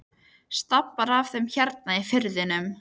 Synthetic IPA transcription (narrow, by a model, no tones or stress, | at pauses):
st̪apːaɾav̥θɛmçɛɾt̪̚naifɪɾðɪnʏm